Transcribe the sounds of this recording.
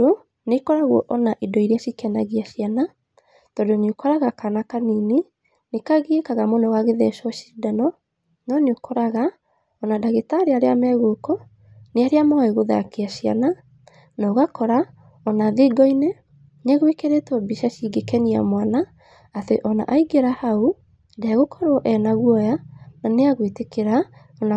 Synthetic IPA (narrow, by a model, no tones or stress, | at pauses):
o | nekɔɾaɣwɔʔɔnaʔidɔiɾeaʃikɛnaɣiaʃiana | tɔdonokɔɾaɣakanakanine | nekaɣiekaɣamonɔwaɣeðɛʃwɔʃidanɔ | nɔneokɔɾaɣa | ɔnadaɣetaɾeaɾeamɛɣokɔ | neaɾeamaeɣoða̰keaʃia̰na | nɔɣakɔɾa | ɔnaðeɡɔine | nɛɣwekeɾetɔbiʃaʃiɡekɛnia̰mwanaː | teʔɔna̰ʔaiɡeɾahau | daaɣokɔɾoʔɛnaɣwɔjananeaɣwitekeɾa | ɔna